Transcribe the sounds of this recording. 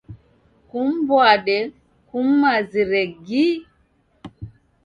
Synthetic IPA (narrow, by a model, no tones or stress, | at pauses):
kumbwaɗɛ | kumːaziɾɛɡi